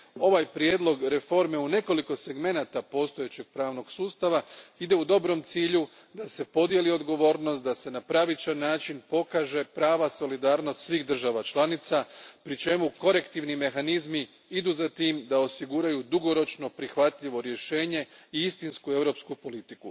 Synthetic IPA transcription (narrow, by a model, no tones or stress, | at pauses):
o̞ʋajpɾje̞ːd̪lo̞ɡɾe̞fo̞ɾme̞une̞ko̞liko̞se̞ɡme̞naːt̪apo̞ːst̪o̞je̞t͡ɕe̞ɡ̥̚pɾaːʋno̞ɡ̥suːst̪aʋaid̪e̞ud̪o̞bɾo̞mt̪siːʎu | d̪ase̞po̞d̪jelio̞d̪ɡo̞ʋo̞ːɾno̞st̪̚d̪ase̞napɾaʋit͡ʃanːaːt͡ʃinpo̞kaːʒe̞pɾaːʋaso̞lid̪aːɾno̞st̪sʋiːɣd̪r̩ʒaʋat͡ʃlˠanit̪sapɾit͡ʃe̞muko̞ɾe̞kt̪iʋnime̞xanizmi | id̪uːzat̪iːmd̪ao̞siɡuɾajud̪uɡo̞ɾo̞t͡ʃno̞pɾixʋat̪ʎiʋo̞ɾje̞ʃe̞ːɲe̞iist̪inskue̞ʋɾo̞pskupo̞lit̪iku